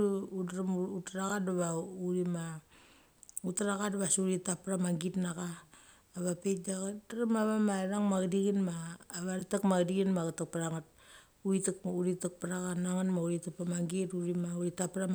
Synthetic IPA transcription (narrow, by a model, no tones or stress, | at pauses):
udɾamutɾaɡadaβauɾima | utaɾaɣadaβasuɾitapɾamaŋɡitnakaː | βapet̚ɡaɡadaɾamaβamaɾaŋmaɡdiɡinmaːβaɾtakmaɡdiɡinmaɡatak̚paɾaŋat̚ | uɾitakuɾitak̚paɾaɣanaŋanmauɾitapamaŋɡituɾimauɾitapɾam